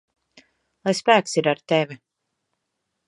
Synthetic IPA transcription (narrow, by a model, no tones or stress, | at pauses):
lˠajspæːksiɾaɾt̪ɛvʲi